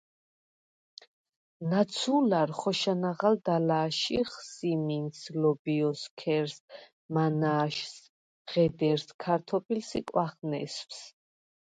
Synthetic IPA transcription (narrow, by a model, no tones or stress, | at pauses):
nat̪sʰulaɾχɔʃanaʁald̪alaːʃiχsiminslɔbiɔskʰɛɾs | manaːʃs | ʁɛd̪ɛɾskʰaɾt̪ʰɔpʰʼilsikʼwaχnɛ̰sfs